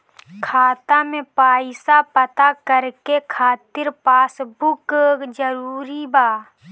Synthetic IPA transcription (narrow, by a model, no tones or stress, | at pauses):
kʰaːt̪amẽpaːɪsapət̪akəɾkekʰaːt̪ɪɾpaːsbʊkd͡ʒəɾuːɾibaː